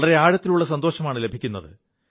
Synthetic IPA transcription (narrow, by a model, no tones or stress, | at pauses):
ɭɐɾe̞aːɻɐt̪ːiluɭːɐsɐnd̪o̞ːɕɐmaːɳɨle̞bʱikʲːunːɐðɨ